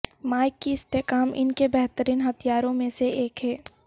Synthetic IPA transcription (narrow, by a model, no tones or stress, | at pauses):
maːɪkːiɪst̪eːkaːmʔɪ̰nkebɛɦt̪əɾiːnɦɐt̪ʰijaːɾõmẽseeːkɦɛː